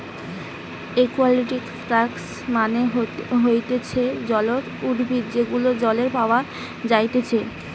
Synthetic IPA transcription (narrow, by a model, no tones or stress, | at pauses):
ekualiʈikfɾaks | maneɦojt̪et͡ɕʰed͡ʑɔloɾ | uɾbʱit̪d͡ʑeɡulod͡ʑɔleɾpaoa | d͡ʑajt̪et͡ɕʰe